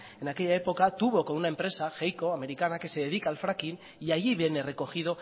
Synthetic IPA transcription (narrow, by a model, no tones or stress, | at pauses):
e̞nake̞ʎae̞po̞kat̪uβokonunae̞mpɾe̞saxejko̞ame̞ɾikanake̞se̞ðe̞ðikaːlfɾakin | iaʝiβene̞re̞ko̞xið̞o̞